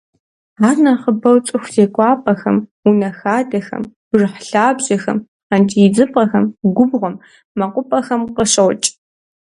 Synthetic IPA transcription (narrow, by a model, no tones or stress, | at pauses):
aːrnaχəbɐwt͡sʼʊxʷz̥eːkʷʼɑːpʼɐxɐ̰munɐxaːdɐxɐ̰m | ʐɨħɬaːbʑɐxɐm | antʼijd͡zɨpʼɐxɐmɡʷʊbʁʷʊmː | ɐqʷʼʊpʼɐxɐmqəʃɐwt͡ʃʼ